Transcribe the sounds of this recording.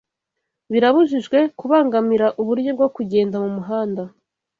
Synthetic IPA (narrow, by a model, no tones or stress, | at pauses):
βiɾaβuʒiʒɡwe̞kuβaːŋɡamiɾaʔuβuɾɟo̞b̚ɡo̞kuɟe̞ːndamumuɦaːnda